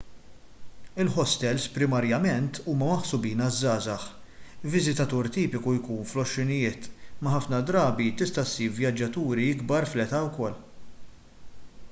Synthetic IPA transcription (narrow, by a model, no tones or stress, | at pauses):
ɪlħɔst̪ɛlspɾɪmɐɾjɐmɛnt̪ʰuːmɐmɐħsʊbiːnɐzːɐːzɐħvɪzɪt̪ɐt̪uːɾt̪iːpɪkujkuːnflɔʃːɪnɪjɪːt̪mɐħɐfnɐd̪ɾɐːbit̪ɪst̪ɐsiːɾvjɐd͡ʒːɐt̪uːɾiɪɡbɐɾflɛt̪ɐwkɔlː